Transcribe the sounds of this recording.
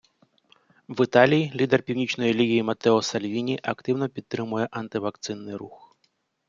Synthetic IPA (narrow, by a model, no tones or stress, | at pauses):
ʋɪt̪ɑlʲijilʲid̪ɛrpʲiwnʲit͡ʃnɔjielʲiɦʲijimɐt̪ɛɔsɐlʲʋʲinʲiʔɐkt̪ɪwnɔpʲid̪ːɾɪmʊjɛʔɐnt̪ɪʋɐkt̪sɪnːɪjɾux